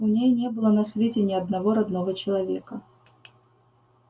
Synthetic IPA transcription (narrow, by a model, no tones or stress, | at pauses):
ʊnʲejnʲe̞bɨlˠənɐsvʲetʲɪnʲɪɐd̪nɐvo̞ɾɐd̪novət͡ɕɪlˠɐvʲekə